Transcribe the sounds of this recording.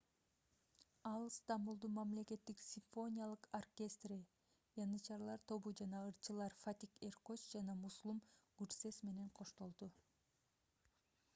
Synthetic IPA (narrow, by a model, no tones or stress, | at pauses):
ɑlˠst̪ambulˠd̪umɑmle̞ke̞t̪ːiksʲiɱfo̞nʲijalˠɯqorkʲe̞st̪ri | jɑnɯt͡ʃɑɾlˠɑɾt̪ʰo̞βud͡ʒɑnɑɯɾt͡ʃɯlˠɑɾfat̪ʲike̞rkot͡ʃd͡ʒɑnɑmuslˠumɡyɾse̞sme̞ne̞ɴqʰo̞ʃt̪o̞lˠd̪u